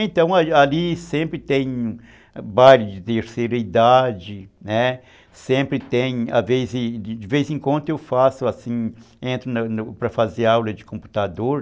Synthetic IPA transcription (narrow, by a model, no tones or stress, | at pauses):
ẽnt̪ɐ̃w̃aalisẽmpɾɪt̪ẽj̃ũ | baɾʊd͡ʒɪt̪eɾseɾɐid̪ad͡ʒɪnɛ | sẽmpɾɪt̪ẽj̃a̰vezɪd͡ʒɪvejzẽkwɐ̃nd̪ʊewfasʊasĩ | ẽnt̪ɾʊnɐnʊpɾɐfazeɾawlɐd͡ʒɪkõmpu̥t̪ad̪oɾ